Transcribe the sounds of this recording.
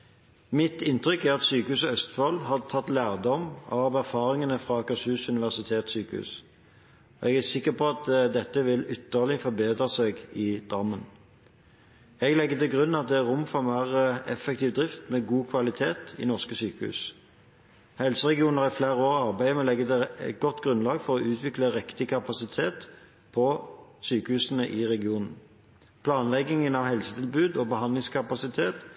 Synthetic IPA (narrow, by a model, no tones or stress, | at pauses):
mɪt̪ɪnt̪ʁʏkæʁɑt̪syːkəhʉːsəœst̪fɔlhɑd̪ət̪ʰɑt̪ːlæːʁd̪ɔmɑʋæʁfɑːɾɪŋənəfʁɑkɑsʉːsʉnɪʋæʁsɪt̪ʰeːt̪syːkəhʉ̰ːs | ɔɛɡæsɪkːəʁpʰɔɑt̪d̪ɛt̪ːəʋɪlʏt̪ːəʁlɪfɔʁbeːd̪ʁəseːɡɪd̪̥ʁɑmːən | ɛɡlɛɡːət̪ɪlɡʁʉnːɑt̪̚d̪ɛæʁʊmfɔmæʁəɛfɛk̚t̪iːʋd̪ʁɪft̪mɛɡuːkʰʋɑlɪt̪ʰeːt̪ɪ̰nɔʁskəsyːkəhʉ̰ːs | hɛlsəʁɛɡɪuːnəʁɪfleːʁəoːʁɑʁbæɪəmɛlɛɡːəd̪ɛɛɡɔt̪ːɡʁʉnlɑːɡfɔʁɔʔʉːt̪ʰʋɪkləʁɛkt̪ɪkʰɑpɑsɪt̪ʰeːt̪ | pʰɔsyːkəhʉːsənəʔɪʁɛɡɪuːnən̩ | pʰlɑːnlɛɡɪŋənɑʋhɛlsət̪ʰɪlbʉːd̪ɔbəhɑnd̪lɪŋskʰɑpɑsɪt̪ʰeːt̪